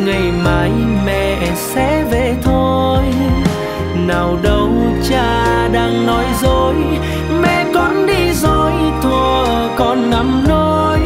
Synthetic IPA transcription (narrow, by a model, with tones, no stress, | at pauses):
ŋa˨˩jmaː˨˦jmɛ̰˧˨ | sɛ˧˥ve˧˨˩t̪ʰo˧j | naː˨˩wɗə˧wt͡ɕaː˧ɗaː˧ŋnɔ˨˦jzo˧˩j | mɛ̰˧˨kɔ˨˦nɗi˧zo˧˨˩jt̪ʰu˨˩ə | kɔ˧˩nːa˨˦mno˧ | j